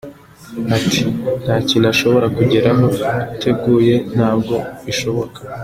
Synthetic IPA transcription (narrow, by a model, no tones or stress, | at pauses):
atʰi̥n̥haːcinaʃo̞βo̞ɾakuɟeɾaɦo̞utʰe̞ɡuːje̞n̥aːb̚ɡo̞βiʃo̞βo̞kḁ